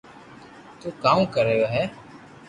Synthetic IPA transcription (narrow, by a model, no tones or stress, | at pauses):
t̪uːkaːũːkəɾəjoːɦɛː